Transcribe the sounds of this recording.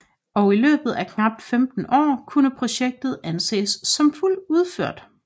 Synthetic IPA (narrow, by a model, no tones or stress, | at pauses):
ɒ̽ʊilø̰ːb̥ð̞̩ˠækʰnɑ̈b̥̚d̥femd̥n̩ʔɒ̰ːkʰunəpʰʁo̝ɕeɡ̥̚d̥ð̩ˠænse̝̰ːsːɒ̽mful̰uð̞ˠføɐ̰d̥